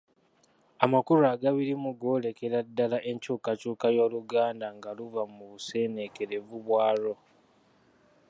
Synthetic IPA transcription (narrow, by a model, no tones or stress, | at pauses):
amakuɾuaɡaβiɾimuɡo̞ːle̞ke̞ɾadːalaʔe̞ɲcuːkacuːkajoːluɡaːndaŋɡaluvamuβuse̞ne̞ke̞ɾe̞vuβwaːɾo̞